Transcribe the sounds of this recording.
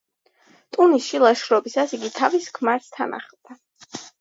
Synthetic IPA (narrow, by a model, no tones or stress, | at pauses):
t̪ʼunisʃilˠaʃɾɔbisasiɡit̪ʰaviskʰmaɾst̪ʰana̰χld̪̥a